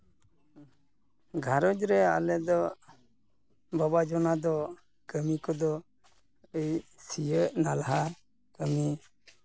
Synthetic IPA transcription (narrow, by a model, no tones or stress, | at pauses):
ɡʱaɾɔd͡ʒɾɛa̰lɛd̪ɔ | babad͡ʒɔnad̪ɔ | ɡəmikɔd̪ɔ | əjsijəʔnalaɦa | kəmi